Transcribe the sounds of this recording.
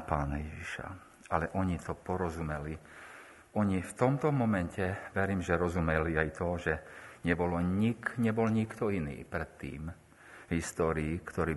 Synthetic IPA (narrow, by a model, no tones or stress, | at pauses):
paːnajɛʒiʃa̰ | alɛʔɔɲit̪ɔpɔɾɔzumɛli | ɔɲift̪ɔmt̪ɔmɔmɛncɛʋɛɾiːmʒɛɾɔzumɛliajt̪ɔʒɛɲɛbɔlɔɲikɲɛbɔlɲikt̪ɔinḭːpɾɛt̪ːḭːm | ɦist̪ɔːɾiːkt̪ɔɾiː